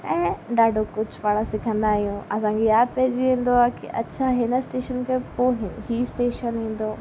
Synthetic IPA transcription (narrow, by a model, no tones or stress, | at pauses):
ɛ̃ːɗaːɖʱokʊd͡ʑʱʊpaːɽ̃ə̃sɪkʰə̃nd̪aːɦijũɐsãŋkʰejaːd̪̚pɛɦɪd͡ʑiʋĩːn̆d̪oaːkḭʔɐ̰tːt͡ɕʰaɦɪnəsʈeːʃənkʰepoɦɪɦisʈeːʃənĩːn̆d̪oː